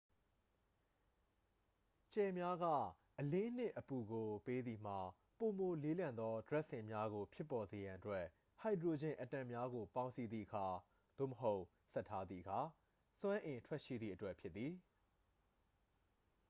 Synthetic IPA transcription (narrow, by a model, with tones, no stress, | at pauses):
t͡ɕɛ˨mja˦ɡä̰˦˨ | ʔəlɪ̃˦n̥ɪ̰̃˦˨ʔəpu˨ɡo˨pe˦d̪ði˨m̥a˨ | po˨mo˨le˦lã˨nd̪ɔ˦dɹɛ˦ʔsɪ̃˨mja˦ɣo˨pʰɪ˦pːɔ˨ze˨jã˨ʔətwɛ˦ʔ | ha˨ɪdɹo˨d͡ʑɪ̰̃˨ʔətã˨mja˦ɡo˨pã˦ʊ̃nsi˦d̪ðḭ˦˨ʔəkʰa˨ | d̪̥o̰˦˨məɦo˦ʊʔ | sɛ˦ʔtʰːa˦d̪ðḭ˨əkʰa˨ | sw̃ã˦ʔɪ̃˨ntʰwɛ˦ʔʃḭ˦˨d̪ðḭ˦˨ʔətwɛ˦ʔpʰjɪ˦t̪̚ːi˨